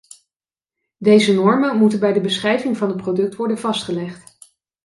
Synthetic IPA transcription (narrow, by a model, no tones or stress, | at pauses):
dejzənɔɹmənmutənbɛjdəbəsχrɛjvɪŋvɑnət̚prodɵk̚tʋɔɹdənvɑstχəlɛχt